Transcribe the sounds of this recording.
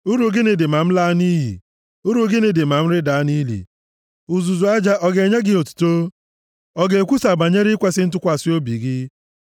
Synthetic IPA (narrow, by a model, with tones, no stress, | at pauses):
u˦ɾu˨˦ɡɪ˦nɪ˨dɪ˨ma˨m̩˦la˦ni˦ɦḭ˨ | u˦ɾu˨˦ɡɪ˦nɪ˨dɪ˨ma˨m̩˦ɾɪ˦da˨a˦ni˦lḭ˨ | u˨zu˨zu˨a˦d͡ʒa˦ʔɔ˦ɡe˨ɲe˦ɡɪ˦o˨tu̥˨to˦ | ɔ˦ɡe˨kʷu˦sa˨ba˨ɲe˦ɾɪ˦kʷe˦sɪ˦n̩˦t̬ʊ˦kʷa˨sɪ˦o˦bi˨ɡɪ˦